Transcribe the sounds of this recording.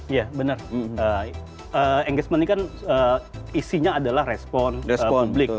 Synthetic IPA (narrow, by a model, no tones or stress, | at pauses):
jabənərə | əɛŋɡəsmənːikanəisiɲaːdalahrespɔnɛsəɔublɪk